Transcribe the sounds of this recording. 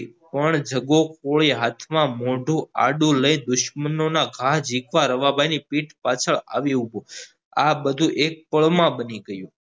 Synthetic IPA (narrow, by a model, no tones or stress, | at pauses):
pəɳd͡ʒəɡokoɭiɦat̪ʰmãmoɖʱũa̰ɖũləĩd̪ʊʃmənonaɡʱaɦd͡ʒʱikʋaɾəʋabajnipiʈpat͡ʃʰəɭa̰ʋiɦubo | abəd̪ʱũʔek̚pəɭmãbəniɡəjũ